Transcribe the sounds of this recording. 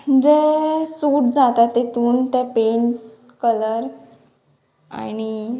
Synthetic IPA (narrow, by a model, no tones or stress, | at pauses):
d͡zesuːʈd͡zat̪at̪ːet̪ʰuːnt̪ɛpeɳʈ | kələɾ | a̰ñi